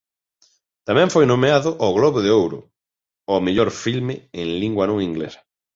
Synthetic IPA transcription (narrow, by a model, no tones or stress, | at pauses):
t̪amɛ̃ɱfojnomeaðʊʔɔɣlɔβʊðɪowɾʊ̰ | ɔmeʎoɾfilmɪeŋliŋɡwɐnõŋĩŋɡlesɐ̥